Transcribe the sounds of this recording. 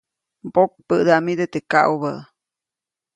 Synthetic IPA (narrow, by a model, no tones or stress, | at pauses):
bok̚pəʔd̪aʔmid̪et̪eka̰ʔuβəʔ